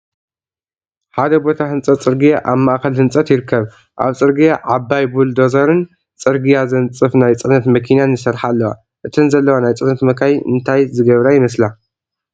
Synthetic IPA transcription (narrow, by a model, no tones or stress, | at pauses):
ħad̪ɐbo̞t̪ʰahɨnt͡sʼɐt̪t͡sʼɨɾɡijaʔaβmaʔkɐlhɨnt͡sʼɐt̪jɪɾɨkʰːɐβ | ʔa̰βt͡sʼɨɾɡijaʕabajbuld̪ozɐɾɨn | t͡sʼɨɾɡijazɐnt͡sʼɨfnajt͡sʼɨnɐt̪mɐkʰinanɨsɐɾħalːɐwa̰ | ʔɨt̪ʰɨnzɐlːɐwanajt͡sʼɨnɐt̪mɐkʰajʔɨ̰nt̪ʰajzɨɡɐβɾajɪmɐs̬la